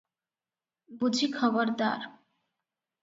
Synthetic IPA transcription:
bud͡ʑʱikʰɔboɾd̪a̰ɾ

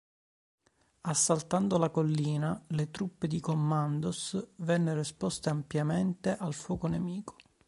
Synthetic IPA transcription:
asːalt̪and̪olakolːiːnalet̪ɾupːed̪ikomːand̪osvɛnːerispɔst̪eampjament̪eʔalfɔːkonemiːko̥

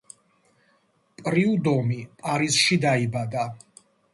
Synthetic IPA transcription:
pʼɾiud̪ɔmipʼaɾisʃid̪aibad̪a

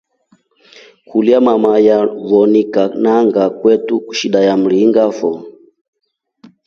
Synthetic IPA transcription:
kʰuliamamajaβɔnikanaŋɡakwɛtuku̥ʃiɗajam̩liːŋɡafɔ

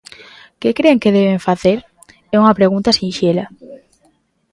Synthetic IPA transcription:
kɪkɾeŋkɪðɛβeɱfaθeɾ | ɛuŋɐpɾeɣunt̪ɐsĩnʃelɐ

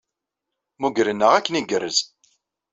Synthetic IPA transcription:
muɡɾənːəʁækːəniɡəɾəz

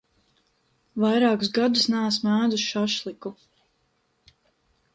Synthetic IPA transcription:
vajɾɑːkusɡad̪usnas̬mæːd̪usʃaʃlˠiku

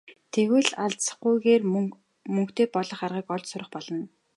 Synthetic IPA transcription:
t̪ʰeɣwɘ̆ɮaɮt͡s̆χɡujɣeːr | mɵŋkt̪eːpɔɮɞ̆χarʁiːkɔɮt͡ɕsʊɾə̆χpɔɮɞ̆n

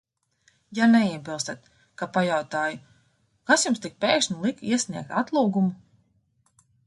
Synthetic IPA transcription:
janɛiɛbilˠst̪at̪ | kapajawt̪aːju | kasjumst̪ik̚pʲeːkʃnʲilˠikiɛsʲniɛk̚t̪at̪lˠuːɡumu

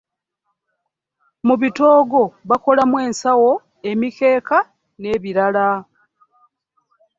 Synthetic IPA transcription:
muβito̞ːɡo̞βako̞lamwe̞ːnsawo̞ | e̞mike̞ːka | ne̞ːβiɾala

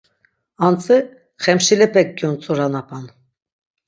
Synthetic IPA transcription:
ant͡sʼi | χɛmʃilɛpʰʼɛk̚ɡjɔnt͡sʼɔɾanapʰʼan

